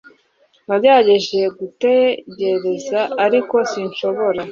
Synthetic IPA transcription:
naɟaɟe̞ʒejeɡute̞ɟe̞ɾe̞zaʔaɾiko̞siɲʃo̞βo̞ɾa

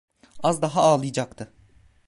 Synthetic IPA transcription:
azd̪aɦaaːlˠɯjd͡ʒakt̪ʰɯ

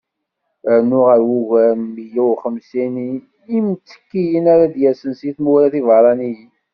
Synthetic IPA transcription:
nːʊʁəɾwuʝæijiwχəmsiniː | mt͡sːə̥kːijənaɾad̪jæsənsiθmuwɾæθivəɾˤɑniji

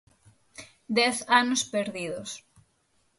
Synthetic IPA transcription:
d̪ɛθanospeɾðiðos

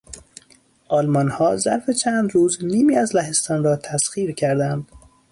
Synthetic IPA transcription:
ʔɒːlmɒnhɒːzæ̰ɾfe̞t͡ʃʰæːnd̪ɾuːzniːmiːæzlæɦe̞st̪ɒːnɾɒːt̪ʰæsxiːɾcʰæɾd̪ænd̪̥

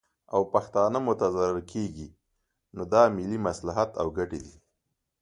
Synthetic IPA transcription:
awpaxt̪ɑnəmʊt̪azaɾɪɾkʰeɡi | nod̪ɑmɪlimaslaɦat̪a̰wɡaʈed̪i

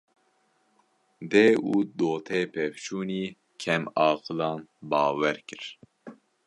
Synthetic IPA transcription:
d̪eːuːd̪oːt̪ʰeːpʰɛvt͡ʃʰuːniː | kʰɛmɑːqɨlɑːnbɑːwɛɾkɨɾ

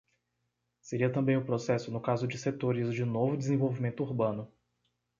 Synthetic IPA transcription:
seɾiɐt̪ɐ̃mbẽj̃ʊpɾosɛsʊnʊkazʊd͡ʒɪset̪oɾɪzd͡ʒɪnovʊd͡ʒɪzẽvowvimẽnt̪ʊuɾbɐ̃nʊ

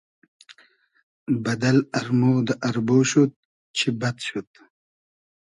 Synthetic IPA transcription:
bɐd̪ɐlɐɾmoːd̪ʔɐɾboːɕut̪̚ | t͡ɕʰibɐt̪ɕut̪̚

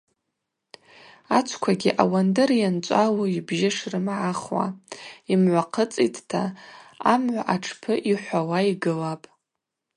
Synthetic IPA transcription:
at͡ʃʷʰkʷʰaɡʲiʔawandɨrjant͡ʃʷʼaloibʒɪʂrɨmʕaχwa̰imʕʷaqʰət͡sʼḭtʰtʰa̰amʕʷaʔaʈ͡ʂʰpʰɨʔiħʷawaiɡɨlapʼ

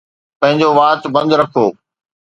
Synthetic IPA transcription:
pɐ̃ɦɪ̃ɲd͡ʑoʋaːt̪bɐ̃nd̪ɾɐkʰoː

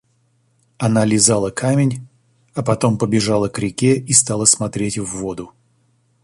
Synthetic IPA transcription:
ɐnalʲɪzalˠəkʰamʲɪnʲ | ɐpɐt̪o̞mpəbʲɪʐalˠəkɾʲɪkʲeist̪ɑlˠəsmɐt̪ɾʲetʲvːod̪ʊ

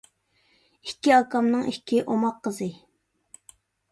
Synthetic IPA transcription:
ikʲʰːiɑkɑmnɨŋikʲʰiʔomɑqːəzɨ

